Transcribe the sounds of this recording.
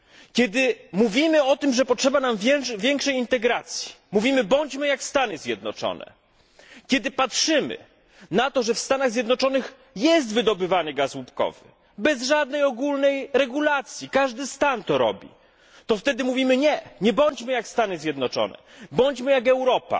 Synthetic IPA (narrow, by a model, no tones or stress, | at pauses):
kʲɛd̪ɘmuvʲimɘɔt̪ɘmʐɛpɔtʂɛbanamvʲjɛŋkʂɛjint̪ɛɡɾat̪sʲji̥muvʲimɘbɔɲt͡ɕmɘjakst̪anɘzʲjɛd̪̚nɔ̰t͡ʂɔ̰nɛ̰ | kʲɛd̪ɘpatʂɘmɘ̰ | nat̪ɔʐɛfst̪anaɣzʲjɛd̪nɔt͡ʂɔnɘx | jɛs̬t̪vɘd̪ɔbɘvanɘɡaswupkɔ̰vɘ̰ | bɛzʐad̪̚nɛjɔɡulnɛjɾɛɡulat̪sʲjikaʐd̪ɘst̪ant̪ɔɾɔ̰bʲḭ | t̪ɔft̪ɛd̪ɘmuvʲimɘɲɛɲɛbɔɲt͡ɕmɘjakst̪anɘzʲjɛd̪nɔt͡ʂɔ̰nɛ̰bɔɲt͡ɕmɘjakɛwɾɔpa̰